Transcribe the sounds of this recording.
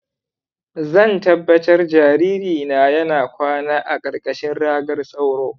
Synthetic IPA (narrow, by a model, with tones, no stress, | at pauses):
zɐ˦˨ntɐ˦bːɐ˦tɐ˦rd͡ʒaː˨ɾiː˦ɾiː˨na˨jɐ˦naː˨kʷaː˦naː˦ʔa˨kʼɐ˨rkʼɐ˨ʃɪ˦nɽaː˦ɡɐ˦rsʼa˦wɽoː˦